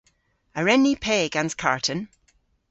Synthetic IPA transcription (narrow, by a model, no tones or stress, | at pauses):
əɹɛnipʰeːɡãnz̥kʰa̰ɹʔʰə̃n